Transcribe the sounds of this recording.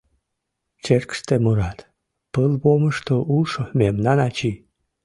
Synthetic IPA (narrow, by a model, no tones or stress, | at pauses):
t͡ʃerkst̪emuɾɑt̪ | pəlboməʃt̪oʔuʃomemnɑnɑt͡ɕi